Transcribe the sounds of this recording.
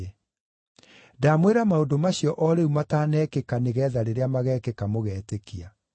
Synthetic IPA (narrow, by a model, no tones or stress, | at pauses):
damweɾamaodomaɕjɔʔɔɾeumataːnɛkekaneɣɛːðaɾeɾeamaɣɛːkekamoɣɛːtekia